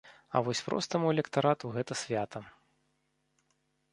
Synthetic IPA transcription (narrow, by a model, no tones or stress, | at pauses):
ɐ̰vɔsʲpɾɔ̰st̪ɐmuɛlʲɛkt̪aɾat̪uɣɛt̪ɐsʲvʲat̪ʰɐ